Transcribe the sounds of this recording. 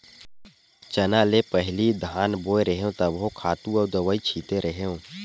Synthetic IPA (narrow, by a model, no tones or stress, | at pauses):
t͡ʃɐnaːlepəɦlid̪ʱaːnboːeɾəɦeõt̪ɐbɦõkʰaːt̪ũɔːɾd̪ɐʋaːit͡ʃʰiːt̪eɾɐɦeɦõː